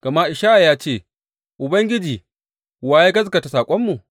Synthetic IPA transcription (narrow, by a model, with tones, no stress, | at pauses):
ɡ̥ɐ˨ma˦ʔɪ˨ʃaː˦ʔa˨jaː˦t͡ʃeː˦˨ | ʔʊ˨bɐ˦ŋɡʲɪ˦d͡ʒiː˨ | waː˨˦je˦ɡɐ˦s̬kɐ˨ta˨saː˨kʷʼɔ˦mːu˨